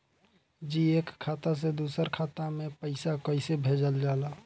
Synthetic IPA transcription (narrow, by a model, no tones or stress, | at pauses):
d͡ʒiːeːkʰːaːt̪as̬ed̪uːsəɾkʰaːt̪amẽpəɪsakəɪsebʱeːd͡ʒəld͡ʒaːlaː